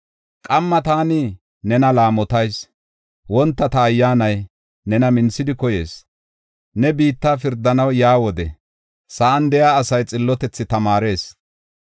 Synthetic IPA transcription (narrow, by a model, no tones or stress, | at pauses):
kʼɐmːɐt̪aːnɪ | nɛnɐlaːmɔt̪ɐjs | wɔnt̪ːɐt̪ɐːjːaːnɐj | nɛnɐmɪnsɪd̪ɪkɔje̞ːs | nɛbiːt̪ːaːfɪɾd̪ːɐnɐwjaːwɔd̪ɛ | sɐʔɐnd̪ɛjaːsɐjt͡sʼɪlːɔt̪ɛt͡sːɪt̪ɐmaːɾe̞ːs